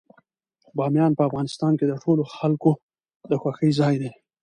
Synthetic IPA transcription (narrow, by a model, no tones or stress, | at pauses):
bɑmjɑnpəafɣɑnɪst̪ɑnked̪əʈʰoloxalko | d̪əxwaxəjzɑjd̪e